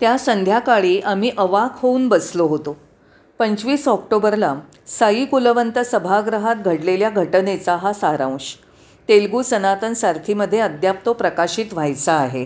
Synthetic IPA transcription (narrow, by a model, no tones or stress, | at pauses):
t̪jasənd̪ʱjakaɭiːʔam̤iːʔəʋakʰhouːnbəsloɦot̪o | pəɲt͡ɕʋiːsɔkʈobəɾla | sajiːkuləʋənt̪əsəbʱaɡɾəɦat̪̚ɡʱəɽleljaɡʱəʈnet͡saɦasaɾã̰w̃ɕ | t̪elɡuːsənat̪ənsaɾk̪ʰiːməd̪ʱːjeəd̪jap̚t̪opɾəkaɕiːt̪ʋ̤ʱajt͡saːɦe